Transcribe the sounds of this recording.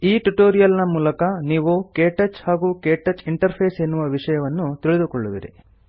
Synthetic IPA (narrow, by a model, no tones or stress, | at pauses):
iːʈuʈoːɾijɐlnɐmuːlɐkɐniːʋukeːʈɐt͡ʃhaːɡuːkeːʈɐt͡ʃiɳʈɐɾpʰeːse̞nːuʋɐʋiʂɐjɐʋɐnːut̪iɭid̪ukoɭːuʋḭɾḭ